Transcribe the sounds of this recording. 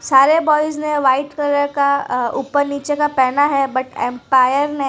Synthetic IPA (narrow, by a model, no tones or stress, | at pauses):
saːɾebɔːɪznẽʋaːɪʈkəɾəɾkauːpəɾniːt͡ʃekapɛːnaɦɛbɐʈɛ̰̃ːmpaːjəɾnẽ